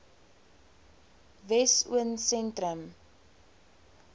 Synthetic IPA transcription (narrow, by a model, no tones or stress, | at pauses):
vɛsṵənsɛntɾəm